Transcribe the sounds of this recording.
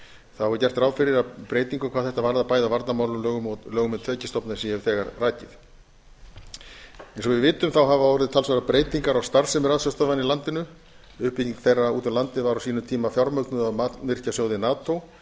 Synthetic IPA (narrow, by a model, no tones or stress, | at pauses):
θahavɔɾʏcɛr̥t̪ɾaːwfɪɾɪɾapɾeːjt̪iŋkʏkʰvaːðθɛht̪avaɾðapaːjðavaɾt̪namaːwlʏɣʏmlœːɣʏmɛt̪ʰœːcɪst̪ɔpnasiɛʏθɛːɣaɾraːcɪθ | ɛnsɔɣvɪvɪːt̪ʏmθawɦavavɔɾɪðɪt̪ʰalsvaɾapɾeːjt̪iŋkaɾawst̪aɾ̥sɛmɾraːðsœst̪ɔvanɪlant̪ɪnʏ | ʏhpiciŋkθejrauːt̪ʏlant̪ɪvaɾawsiːnʏmt̪ʰiːmafjaɾmœk̪nʏðaðmat̪mɪr̥casjoːwðɪnaːt̪ow